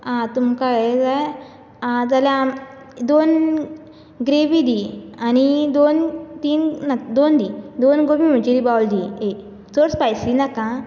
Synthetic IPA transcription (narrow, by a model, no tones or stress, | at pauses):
ãt̪umkaɡad͡zaj | ãt̪aljã | d̪on | ɡɾeʋid̪ianid̪ont̪iːnnad̪ond̪id̪onɡomim̤əɳt͡ɕid̪ibawld̪ie | t͡soɽspajsinakã